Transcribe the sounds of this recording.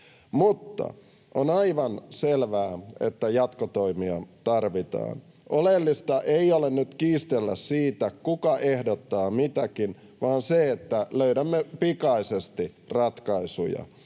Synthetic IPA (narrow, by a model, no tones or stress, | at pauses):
mut̪ːɑ̰ | ʔonɑiʋɑnselʋæːḛt̪ːæjɑt̪kot̪oimiɑt̪ɑrʋit̪ɑ̰ːn | ʔolelːist̪ɑʔeiolennyt̪kiːst̪elːæssiːt̪ækukɑʔehdot̪ːɑːmit̪ækin | ʋɑːnseet̪ːæløyɾæmːepikɑisest̪i | rɑt̪kɑisṵjɑ̰